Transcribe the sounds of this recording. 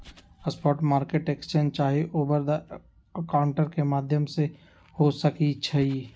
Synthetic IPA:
əspɔːʈmaːɾkeʈeːkst͡ʃeːnd͡ʒt͡ʃaːɦeʔoːbəɾd̪ | əkaʊɳʈəɾkemaːd̪ʱjəmse | hosəkit͡ʃʰɐi

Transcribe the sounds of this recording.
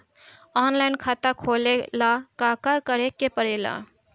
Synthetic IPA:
ɔːnlajnkʰat̪akʰolelakakəkəɾekepəɽela̰

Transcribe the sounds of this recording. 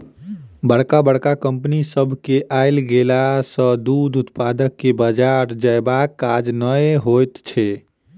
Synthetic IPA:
bəɽkabəɽkakəmpnisəbʱkeʔajlɡelasə̃d̪ud̪ut̪pad̪əkːebəd͡ʒaɾd͡ʒəjbakːad͡ʒnəɦojt̪t͡ʃʰɛ

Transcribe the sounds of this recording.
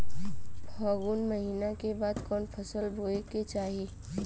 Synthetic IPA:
bʱɔːɡuːnməɦiːnakebaːd̪kɔːnpʰəsəlboːeket͡ʃaːɦiː

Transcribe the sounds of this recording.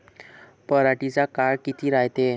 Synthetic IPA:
pəɾaʈit͡sakaɭkit̪ʰiːɾajt̪e

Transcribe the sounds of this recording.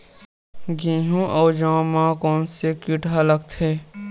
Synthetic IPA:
ɡĩːɦũʔɔːd͡ʒãːmãːkɔːnsekiʈɦaləkt̪ʰeː

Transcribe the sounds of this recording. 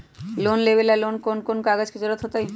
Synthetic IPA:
lonlebelalonkonkonkaɡad͡ʑked͡ʑoɾot̪ɦot̪aj

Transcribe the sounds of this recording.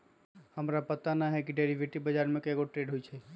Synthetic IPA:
həmɾapət̪anaɦɛkiɖeɾiʋʱeʈibəd͡ʒaɾmẽkeɡoʈɾeɖɦojt͡ʃʰɛ

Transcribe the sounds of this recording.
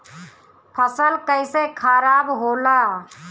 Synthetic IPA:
pʰəsəlkəɪsekʰəɾabɦola

